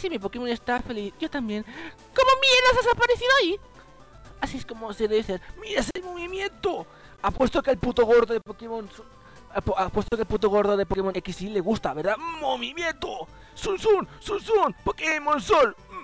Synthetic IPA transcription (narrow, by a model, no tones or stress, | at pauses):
simip̬okemonest̪afelisʝo̞t̪ambje̞n | komomjeɾðas̬as̬apaɾeθiðoai | asieskomoseðeðiseɾmiɾesejmoβimjẽnt̪o | apwest̪okelput̪oɣo̞ɾðoðepokemonso | poʔapwest̪okelput̪oɣo̞ɾðoðepokemonekisileɣust̪aβeɾðamoβimjẽnt̪o | sunsunsunsunpokemonsol